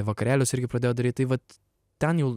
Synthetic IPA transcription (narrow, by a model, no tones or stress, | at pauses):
ʋɐkɐɾʲæːlʲʊsɪɾʲɡʲɪpɾɐd̪ʲeːjoːd̪ɐɾʲiːt̪̚ɐɪʋɐt̪ | t̪ʲɛnjɛʊ